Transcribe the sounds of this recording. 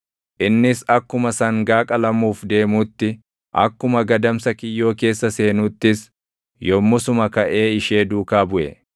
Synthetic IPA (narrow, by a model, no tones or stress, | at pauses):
ʔɪnːɪsɐkːʊmɐsɐŋɡaːkʼɐlɐmuːfd̪e̞ːmuːt̪ːɪ | ʔɐ̰kːʊmɐɡɐd̪ɐmsɐkɪjːo̞ːke̞ːsːɐse̞ːnuːt̪ːɪs | jɔmːʊsʊmɐkɐʔe̞ːɪʃe̞ːd̪uːkaːbʊʔɛ̰